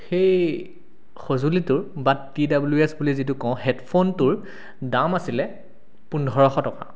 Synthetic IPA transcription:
xej | xozulitʊɹbatidabluesbulizitukɔ̃ʊ̃ɦɛtpʰontʊɹ | damasilɛ | pundʱɔɹɔxɔtɔka̰

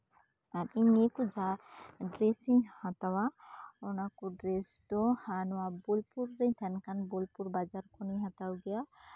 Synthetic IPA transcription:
aɾiɲekud͡ʒaɖɾesiŋhat̪awaɔnakuɖɾest̪ɔhanɔwabɔlpuɾːeɲt̪ʰankanbɔlpuɾbad͡ʒaɾkʰɔniɦat̪awɡɛja

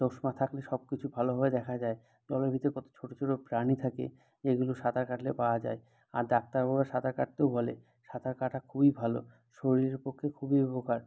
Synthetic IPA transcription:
d̪oʃmat̪ʰakleʃɔb̚kit͡ɕʰubʱaloɦɔed̪ɛkʰad͡ʑae | d̪ɔleɾbʱit̪ekɔt̪o̥t͡ɕʰoʈot͡ɕʰoʈopɾanit̪ʰakḛ | d͡ʑeɡuloʃad̪ʱaɾkaʈlepaoad͡ʑa̰e | a̰ɾd̪ak̚t̪aɾboɡaʃad̪ʱaɾkaʈ̚t̪ewbʱɔlḛ | ʃad̪ʱaɾkaʈakʰubibʱalo̰ | ʃoɾiɾeɾpokʰːekʰubiebokaɾ

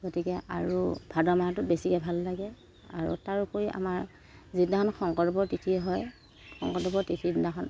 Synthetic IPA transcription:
ɡotikɛa̰ɹubʱadɔmatʊbesikɛbʱalːaɡɛ | a̰ɹṵtaɹupoɹiʔa̰maɹ | zitnakʰɔnxʰɔŋkɔɔbɔɹtitʰiɛɦɔj | xɔ̰ŋkɔtɔbɔtitʰiaxɔn

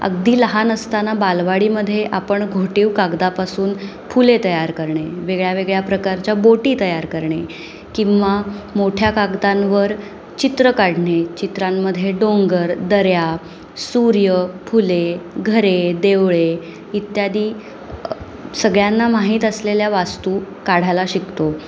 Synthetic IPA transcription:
ə̰ɡd̪iːləɦanəst̪anabalʋaɽiːməd̪ʱːjeʔapəɳɡʱoʈiʋkaɡd̪apasuːn | pʰulet̪əjaɾkəɾɳeʋeɡɭjaʋeɡɭjapɾəkaɾt͡ɕjaboʈiːt̪əjaɾkəɾɳe | kĩw̃ʋamoʈʰjakaɡd̪ãnʋəɾ | t͡ɕit̪ɾəkaɽɳet͡ɕit̪ɾamːəd̪ʱːjeɖoŋɡəɾd̪əɾja | suɾjəpʰuleɡʱəɾed̪eʋɭe | it̪jad̪iː | səɡɭjanːamaɦiːt̪əsleljaʋast̪u | kaɽ̤ajlaɕikt̪o

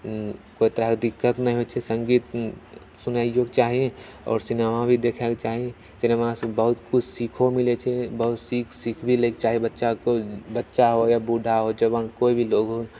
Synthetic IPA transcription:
koːit̪əɾaɦked̪ɪkːət̪nɐɦĩɦot͡ʃʰɛsə̃ŋɡiːt̪ | sʊnaːijokt͡ʃaːɦiẽ | ɔ̰ːɾsɪnemabʱid̪ekʰeket͡ʃaːɦiẽ | sɪnemasbəɦʊt̪kʊt͡ʃʰsikʰomɪlet͡ʃʰɛbəɦʊt̪sikʰsikʰbʱileːket͡ʃaːɦiebətːʃakobətːʃaɦojabuɖʱaɦod͡ʒəbənkoːibʱiloːɡɦo

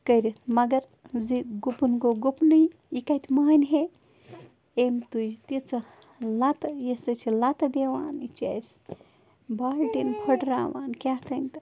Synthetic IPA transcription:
kəjɾit̪ʰmɐɡɐɾ | d͡ziɡupunɡoɡupnɐj | ikɐt̪mɐɦɐnɦe | emt̪ujt̪it͡sɐ | lat̪jesɐt͡ʃʰilat̪ɐd̪eʋaːnit͡ʃɐ̰js | baːlʈinpʰɐʈɾaːʋa̰ːnkʲat̪ʰɐnʲt̪ɐ

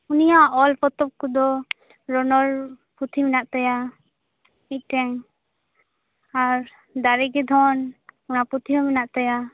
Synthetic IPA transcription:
unijaʔɔlpɔt̪ɔp̚kɔd̪ɔ | ɾɔnɔɾ | put̪ʰimɛnaʔt̪aja | ic̚ˀʈɛŋ | aɾ | d̪aɾɛɡɛd̪ʱɔnɔnaput̪ʰiɔminaʔt̪aja

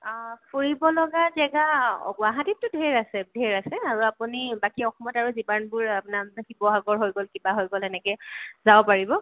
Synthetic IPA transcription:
pʰuɹibɔlɔɡazɛɡaɔ̰ɡwaɦatip̚tʊdʱeɹasɛdʱeɹasɛaɹuapunibakiɔxɔmɔtaɹuzibanbʊɹapnamkibɔɦaɡɔɹɦojɡolkibaɦojɡɔlɛnɛkɛzaɔpaɹibɔ

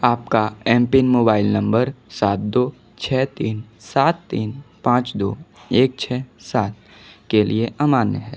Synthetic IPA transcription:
aːpkaɛ̃ːmpɪnmoːbaːɪlnɐ̃mbəɾsaːt̪̚d̪oː | t͡ʃʰɛːt̪iːnsaːt̪ːiːnpãːt͡ʃd̪oːeːk̚t͡ʃʰɛːsaːt̪̚ | kelʔieʔaːmaːnjəɦɛː

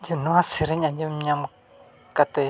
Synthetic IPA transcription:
d͡ʒinuasiɾiɲãɲd͡ʒimɲam | kat̪ɛ

